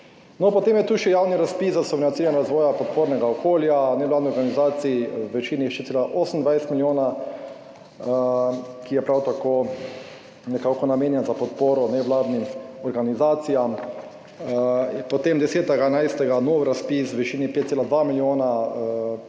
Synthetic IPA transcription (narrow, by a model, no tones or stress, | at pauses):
nɔpɔt̪eːmjɛt̪uːʃɛjawniɾaspiszasɔʋɾnat̪siɾɛnɾazʋɔːjapɔt̪̚poːɾnɛɡaɔkoːljanɛʋlaːd̪niɔɾɡanizaːt̪siiwʋɛt͡ʃiːniʃɛet̪seːlaʔoːsən̩d̪ʋajst̪miljoːna | kijɛpɾawt̪akoː | nɛkaːkɔnameːnjɛnzapɔt̪̚poːɾɔnɛʋlaːd̪nimɔɾɡanizaːt̪sijam | pɔt̪emd̪ɛseːt̪ɛɡanajst̪ɛɡanoːwɾaspiswʋɛt͡ʃiːnipet̪selad̪ʋamiljoːna